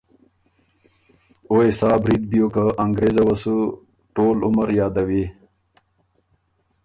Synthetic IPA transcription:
oesɑːbɾid̪̚bijokaʔaŋɡɾezawasu | ʈoːluməɾjɑːd̪awi

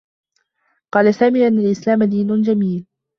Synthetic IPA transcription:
qɑːlasaːmiːʔanːalʔɪslaːmad̪iːnʊnd͡ʒamiːl

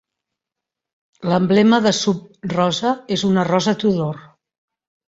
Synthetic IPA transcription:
ləmblɛməðəsup̚rɔzəezunərɔzət̪uðor

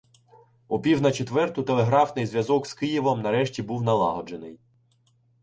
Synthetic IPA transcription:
ʊpʲiwnɐt͡ʃet̪ʋɛrt̪ʊt̪elˠeɦɾɑfnɪjzʋʲjɐzɔkskɪjiʋɔmnɐɾɛʃtʲibuwnɐlˠɑ̰ɦɔd͡ʒenɪj

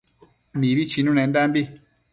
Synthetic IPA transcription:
mĩβit͡ʃinũnɛ̃nd̪ambi

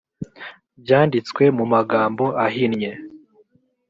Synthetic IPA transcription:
bjaːndit͡skwe̞mumaɡaːmbo̞ʔaɦinɲe

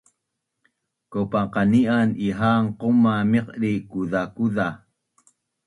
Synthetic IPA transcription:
kopaqaniʔaniɦaŋqomamiqɾikuðakuða

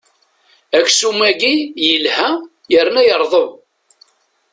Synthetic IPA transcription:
æçsumæɡijəlhæ | jəɾnæjəɾˤðˤəð

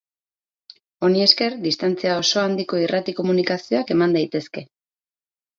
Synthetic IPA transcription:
o̞nie̞ske̞ɾd̪ist̪ant͡siao̞so̞and̪iko̞irat̪iko̞munikasio̞ake̞mand̪ajt̪e̞ske̞

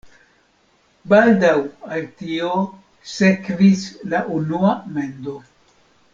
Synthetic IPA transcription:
baldawaltio | sekvislaʔunuame̞ndo

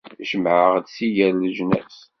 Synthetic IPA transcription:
ʃəmʕəʁd̪sijælləʒnæ̰s

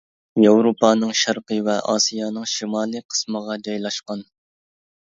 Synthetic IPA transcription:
jɑwɾopɑːnɨŋʃɑɾqəvɛʔɑ̰ːsijɑːnɨŋʃimɑːlˠɨqʰə̥sməʁɑd͡ʒɑjlˠɑʃqɑn

